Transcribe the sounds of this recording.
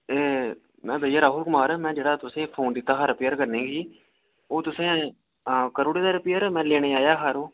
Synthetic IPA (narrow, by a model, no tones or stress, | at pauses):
eː | mɛ̃ːbʱəjaːɾaːɦʊlkʊmaːɾɛːmɛ̃ːd͡ʒeːɽaːt̪ʊsẽːpʰoːnd̪ɪt̪ːaːɦaɾəpeːəɾkəɾnẽːɡiː | oːt̪ʊsẽː | kəɾoːɽeːd̪aːɾəpijəɾːmɛ̃ːleːɽeːaːjaːɦaːɾoː